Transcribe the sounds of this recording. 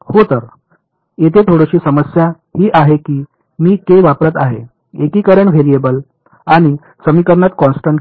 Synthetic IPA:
hot̪əɾ | et̪ʰet̪ʰoɽəɕiːsəməsja | hiːʔaɦekiː | miːk̪eʋapɾət̪aɦe | ekiːkəɾəɳʋʱeɾijebəl | aɽ̃i | səmikəɾɳat̪kɔ̃nsʈəɳ

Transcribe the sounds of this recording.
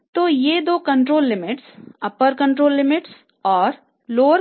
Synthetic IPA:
t̪oːjeːd̪oːkɐ̃ɳʈɾoːlːɪmɪʈsɐpəɾkɐ̃ɳʈɾoːlːɪmɪʈs | ɔːɾ | loːɾ

